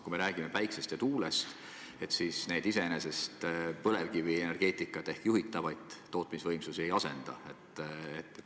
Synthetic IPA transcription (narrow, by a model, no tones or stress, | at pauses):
kujme̞ɾæːɡ̥ime̞pæjksest̪jet̪uːle̞st̪ | e̞t̪siːsne̞jd̪̥ise̞ene̞se̞st̪pɤle̞vkiviene̞rɡ̥e̞ːt̪ˑikːˑɑt̪ːˑe̞hkjuɦit̪ːˑɑvɑjd̪̥ːo̞ːt̪ˑmisvɤjmsusie̞jɑse̞nd̪̥ɑ̰et̪ːˑet̪ː